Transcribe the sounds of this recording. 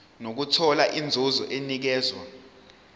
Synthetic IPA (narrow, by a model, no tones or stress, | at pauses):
nok̬utʰɔlaʔind͡zʱozɔ̰ʔenik̬ɛːzwa̰